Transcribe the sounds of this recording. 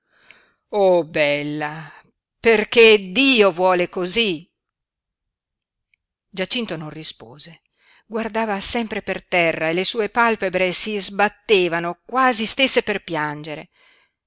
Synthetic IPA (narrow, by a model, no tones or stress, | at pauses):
obɛlːa | perked̪iːovwɔːlekozi | d͡ʒat͡ʃːint̪ononrispo̰ːze | ɡward̪aːvasɛmpɾepert̪ɛrːaelesuːepalpebɾesizbat̪ːeːvanokwaːzist̪esːeperpjand͡ʒeɾe